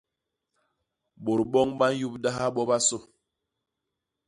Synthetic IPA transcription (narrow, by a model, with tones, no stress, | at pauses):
bo˨ɾɓɔ˦ŋba˦n̩˦ju˦p̚da˦ɦa˦ɓɔ˦ba˦so˦˨